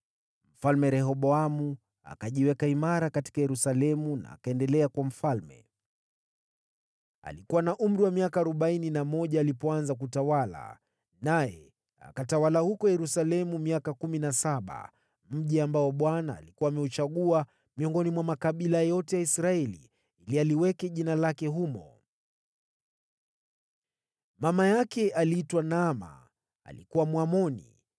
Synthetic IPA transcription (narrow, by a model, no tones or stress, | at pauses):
m̩falmɛɾɛɦɔɓɔamu | a̰kaʄiwɛkaimaɾakati̥kajɛɾusalɛmuna̰ːkaɛndɛlɛakwam̩falmɛ̰ | a̰likuwanaʔum̩ɾiwamiakaːɾɔɓaininamɔʄaːlipɔanzak̬utawala̰ | najɛ | a̰katawalahukɔjɛɾusalɛmumiakakuminasaɓa̰ | m̩ʄiambaɔɓwana̰ːlikuwaːmɛut͡ʃaɠua | miɔŋɡɔnimwamakaɓilajɔtɛjaisɾaɛlḭ | ilialiwɛkɛʄinalakɛɦumɔ | mamajakɛʔalitwanama̰ː | likuwamwamɔnḭ